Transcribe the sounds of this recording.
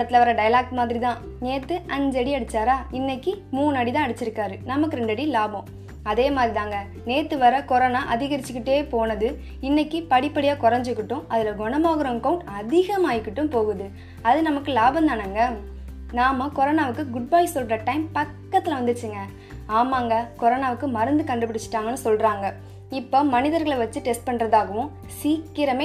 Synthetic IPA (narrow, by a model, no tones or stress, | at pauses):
ɐɽɐt̪ːɪlɐʋɐɾɐɖɐjlaːk̚ʈmaːðɪɾit̪ãː | neːt̪ːɯʔɐɲd͡ʒɐɽiɐɽɯt͡ʃːaːɾaːɪnːɐkːimuːnɐːɽit̪ãːɐɽɯt͡ʃːɪɾɯkːaːɾɯnɐmɐkːɯɾɛɳɖɐɽilaːbõː | ɐðeːmaːðɾiðãːŋɡɐ | neːt̪ːɯʋɐɾɐkɔɾɐːnaːʔɐðɪɣɐɾɪt͡ʃːɯkːɪʈːeːpoːnɐðɯ | ɪnːɐkːipɐɽɪpːɐɽɪjaːkɔɾɐɲd͡ʒɯkːɪʈːʊ̃ɐðɪlɐɡɔɳɐmaːɣɯɾɐ̃ŋkɐʊɳʈɐðɪɣɐmaːjɪkːɪʈːɯ̃mpoːɣɯðɯ | ɐðɯnɐmɐkːɯlaːbɐnd̪aːnaːŋɡɐ | naːmɐkɔɾɐːnaːʋɯkːɯɡʊɖ̚baːjsɔlɾɐʈɐɪmpɐkːɐt̪ːɪlɐʋɐnd̪ɯt͡ʃːɯŋɡɐ | aːmaːŋɡɐkɔɾɐːnaːʋɯkːɯmɐɾɐnd̪ɯkɐɳɖɯpːɪɽɪt͡ʃːɯ̥ʈːaːŋɡɐnːɯsɔlɾaːŋɡɐ | ɪpːomɐnɪðɐɾɣɐɭʋɐt͡ʃːɯʈɛsʈ̚pɐɳɾɐðaːɣɐʋʊ̃ | siːkːɪɾɐmeː